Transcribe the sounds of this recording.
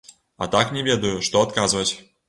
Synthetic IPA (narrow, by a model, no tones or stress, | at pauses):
a̰t̪aknʲevʲed̪ɐjuʂt̪oɐt̪kazɨvətʲ